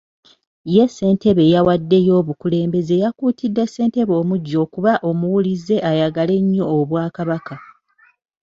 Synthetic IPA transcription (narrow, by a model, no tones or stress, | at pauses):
je̞sːe̞ːntʰe̞βejawadːe̞jo̞ːβukule̞ːmbe̞ze̞jakuːtidːe̞se̞ːnte̞βo̞ːmuɟːo̞ːkuβaʔo̞muwulize̞ʔajaɡale̞ɲːo̞ːβwaːkaβaka